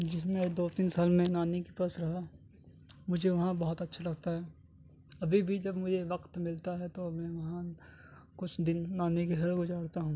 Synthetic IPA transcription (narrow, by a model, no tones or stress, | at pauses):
d͡ʒɪs̬mẽd̪oːt̪iːnsaːlmẽnaːnikipɐɾsɾɐɦa | mʊd͡ʒʱeʋɐɦãbɐɦɔt̪ɐtːʃʰalɐɡt̪aɦɛː | ɐbʱibʱid͡ʒɐbmʊd͡ʒʱeʋɐqt̪mɪlt̪aɦɛt̪omɛ̃ʋɐɦã | kʊt͡ʃʰd̪ɪnːaːnikeɦɐɾɡʊzaːɽt̪aɦũː